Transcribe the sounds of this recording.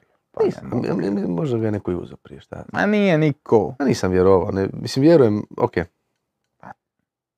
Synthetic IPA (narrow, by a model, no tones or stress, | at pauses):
niːsaaa̰miiːoʒd̪aɡanekoiṵzopɾijeʃt̪a̰a̰nijenikʰoaniːsamʋjeɾoʋanɛmisimʋjeɾujemo̰keː | a